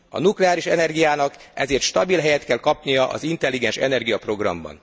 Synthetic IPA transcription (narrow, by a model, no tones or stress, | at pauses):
ɒ̰nuklɛaːɾiʃɛnɛrɡijaːnɒkɛzeːrt̪ʃt̪ɒbilɦɛjɛt̪kɛlkɒpnijɒʔɒ̰zint̪ɛlːiɡɛnʃɛ̰nɛrɡijɒpro̞ɡrɒ̰mbɒ̰n